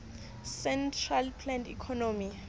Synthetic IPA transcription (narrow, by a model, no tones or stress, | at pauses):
sɛntʰralpʰlɛntikʰɔnomi